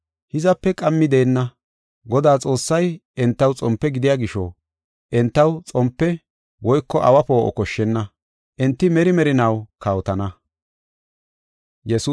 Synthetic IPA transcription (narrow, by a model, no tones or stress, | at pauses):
hɪzɐpːɛkʼɐmːɪd̪eːnːɐ | ɡɔd̪aːt͡sʼo̞ːsːɐjɛnt̪ːɐwt͡sʼɔmpːɛɡɪd̪ɪjaːɡɪʃɔ̰ | ʔɛnt̪ːɐwt͡sʼɔmpːɛ | wɔjkːɔʔɐwɐpo̞ːʔɔ̰kɔʃːɛnːɐ | ʔɛnt̪ːɪmɛɾɪmɛɾɪnɐwkɐwt̪ɐnɐ | jɛsuː